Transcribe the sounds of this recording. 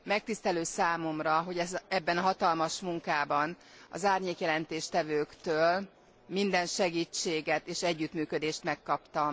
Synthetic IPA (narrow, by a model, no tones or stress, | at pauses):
mɛk̚t̪ist̪ɛløːsaːmo̞mrɒɦo̞ɟɛzɛbːɛnɦɒt̪ɒlmɒʃmuŋkaːbɒn | ɒ̰zaːrɲeːkjɛlɛnt̪eːʃt̪ɛvøːkt̪øːl | mind̪ɛnʃɛɡiːt͡ʃːeːɡɛt̪eːʃɛɟːyt̪myːkød̪eːʃt̪mɛkːɒpt̪ɒ